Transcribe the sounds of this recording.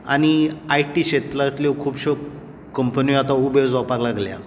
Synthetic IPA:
añiajʈiɕet̪lat̪lokʰuːbɕok | kəmpəniat̪aubed͡zʋapaɾlaɡlja̰

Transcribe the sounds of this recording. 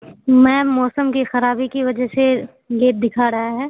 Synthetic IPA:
mɛ̃ːmɔːsəmkixɐɾaːbikiʋɐd͡ʒɛɦse | leːʈ̚d̪ɪkʰaɾɐɦaɦɛː

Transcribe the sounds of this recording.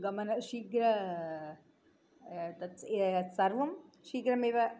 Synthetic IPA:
ɡɐmɐnɐʃiːɡɾɐ | t̪ɐt̪sɐɾʋɐm | ʃiːɡɾɐmeːʋɐ

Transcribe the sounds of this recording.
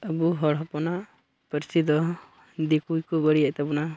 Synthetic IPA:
abuɦɔɽɦɔpɔnaʔ | pəɾsid̪ɔ | d̪ikujkɔbəɽijaʔt̪abɔna

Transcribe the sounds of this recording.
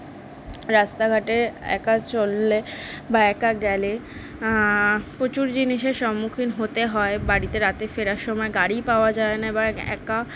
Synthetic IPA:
ɾast̪aɡʱaʈeɛ̰kat͡ɕolːebaɛkaɡɛle | pɾot͡ɕuɾd͡ʑiniʃeɾʃɔmːukʰinɦot̪eɦɔebaɽit̪eɾat̪efeɾaɾʃɔmɔeɡaɽipaoad͡ʑaenaebaɛ̰ka

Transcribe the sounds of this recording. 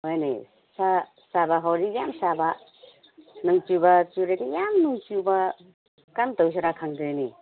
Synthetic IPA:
hojnḛj | sa | sabaɦawɾijamsaba | nuŋt͡ʃubat͡ʃuɾajɡijamnuŋt͡ʃuba | kantaws̬iɾakʰaŋdɯɾenḭ

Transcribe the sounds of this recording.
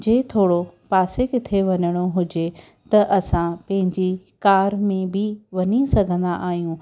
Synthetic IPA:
d͡ʑeːt̪ʰoːɽopaːsekɪt̪ʰeʋɐɲəɽ̃oɦʊd͡ʑe | t̪ɐʔɐsãpɐ̃ɦɪ̃ɲd͡ʑi | kaːɾmẽbɪʋɐɲisɐɡʱə̃nd̪aʔaːɦijũ

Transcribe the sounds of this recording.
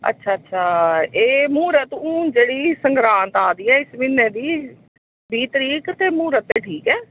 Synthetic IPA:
ə̰tːʃʰaːətːʃʰaːeːmuːɾət̪ũːd͡ʒeːɽiːsəŋɡɾaːnt̪aːd̪iːɛːɪsmĩːnẽːd̪iː | biːt̪əɾiːkt̪eːmuːɾət̪ːeːʈʰiːkɛː

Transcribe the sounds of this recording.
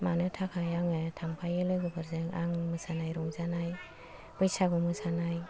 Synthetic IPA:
manɯtʰakʰajaŋɯtʰampʰajɯlɯɡɯbɯɾzɯŋaŋmɯsanajɾɔŋzanaj | bɯjsaɡɔmɯsanaj

